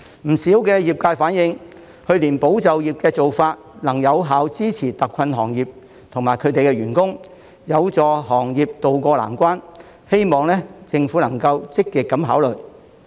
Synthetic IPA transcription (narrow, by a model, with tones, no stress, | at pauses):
m̩˨˩siː˨˥wkɛː˧jiː˨p̚kaː˧jfaː˨˥njɪ˧ŋ | hɵ˧ɥliː˨˩npo˨˥wt͡sɐ˨wjiː˨˩p̚kɛː˧t͡so˨wfaː˧t̚lɐ˨˩ŋjɐ˨˧wɦaː˨˥wt͡siː˥t͡sʰiː˨˩t̪ɐ˨kʰːɐ˧nɦɔː˨˩ŋjiː˨p̚ | t̪ʰʊ˨˩ŋmaː˨˩jkʰɵ˨˧ɥt̪e˨jkɛː˧ɥyː˨˩nkʊ˥ŋ | jɐ˨˧wt͡sɔː˨˧ɦɔː˨˩ŋjiː˨p̚t̪o˨wkʷɔː˧la̰ː˨˩nkʷaː˥n | he˥jmɔː˨ŋlɛː˥t͡sɪ˧ŋfuː˨˥nɐ˨˩ŋkɐ˧wt͡sɪ˥kːiː˨t̚kːɐ˨˥mɦaː˨˥wlɵ˨˩j